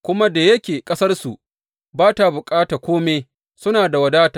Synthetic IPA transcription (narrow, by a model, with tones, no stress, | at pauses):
kʷʊ˦ma˦da˨jɐ˦kʲeː˨kʼɐ˦sɐ˦rsu˨ʔ | baː˦ta˨bʊ˨kʼaː˦taː˨kʷoː˦meː˦ | sʊ˦naː˨da˨wɐ˨daː˦ta˨